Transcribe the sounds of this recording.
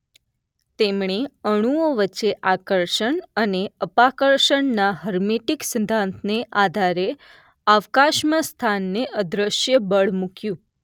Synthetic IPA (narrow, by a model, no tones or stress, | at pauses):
t̪emɳeəɽ̃uoʋəːt͡ʃːeʔakəɾʃəɳəneəpakəɾʃəɳnaɦəɾmeʈiksənd̪ʱãnt̪ʰneʔad̪ʱaɾe | aʋkaʃmãst̪ʰanːeʔəd̪ɾəʃjəbəɭmukjũ